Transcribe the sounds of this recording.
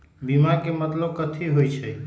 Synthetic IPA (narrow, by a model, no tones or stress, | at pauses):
bimakemət̪ləb̚kət̪ʰiɦojt͡ʃʰɛ